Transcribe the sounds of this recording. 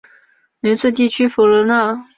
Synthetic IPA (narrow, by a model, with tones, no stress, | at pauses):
nə˧˥nt͡sʰɤ˥˧t̪̬i˥˩t͡ɕʰy˥fu˨˩lə˧˥na˥˩